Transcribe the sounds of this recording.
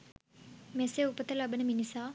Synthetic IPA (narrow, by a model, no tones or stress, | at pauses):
meseupɐt̪ɐlɐbɐnɐminisaː